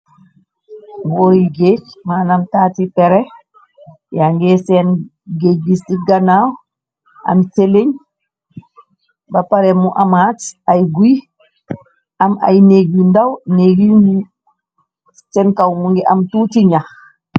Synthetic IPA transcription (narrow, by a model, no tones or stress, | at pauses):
boɾiɡet͡ʃmaːnamtaːtipɛɾɛ | jaŋɡɛsɛn | ɡeɡisiɡanaw | ʔa̰mseleɲ | bapaɾɛmuʔamatajɡuj | ʔama̰jneɡindawneɡini | sɛnkawmuŋɡɛʔamtutiɲax